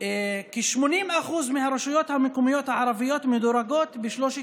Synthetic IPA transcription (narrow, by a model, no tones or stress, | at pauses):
keʃmo̞nimaχuzmehaɾeʃujo̞t̪hamekomijo̞t̪haʕaɾavijo̞t̪med̪oɾaɡo̞t̪beʃloʃ